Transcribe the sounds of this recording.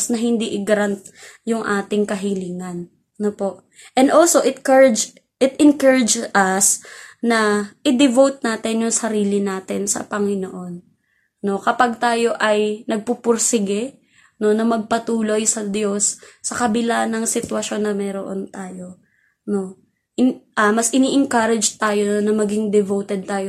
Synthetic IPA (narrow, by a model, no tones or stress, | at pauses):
snɐɦɪnd̪iʔɪɡɐɾant̪̚jʊŋʔaːt̪ɪŋkɐɦɪliːŋɐn | nopo̞ʔ | ʔɛnd̪ʔolso̞ʔɪt̪̚kɹd͡ʒ | ʔɪt̪̚ɪnkɛɹɪd͡ʒsʔɐsnɐʔɪd̪ɪvowt̪̚naːt̪ɪnjʊŋsɐɾiːlɪnaːt̪ɪnsɐ̰pɐŋɪnoʔo̞n | no̞kɐpɐɡ̚t̪aːjo̞ʔɐjnɐɡ̚pupʊɾsɪɡɛ | no̞nɐmɐɡ̚pɐt̪uːlo̞jsɐd̪jo̞sːɐkɐbɪlanɐŋsɪt̪wɐʃo̞nːɐmɛːɾoʔo̞̰nt̪aːjo̞ | no̞ | ʔɪʔɐmɐsʔɪniʔɪŋkɐɾɪd͡ʒt̪aːjo̞nɐmɐɡɪŋd̪ɛvowt̪ɛd̪̚t̪aːjo